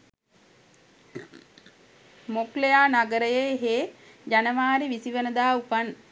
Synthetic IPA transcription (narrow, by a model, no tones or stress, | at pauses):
moklejaːnaɡəɾəjeɦeː | d͡ʒanəmaːɾiʋisiʋənəd̪aːupan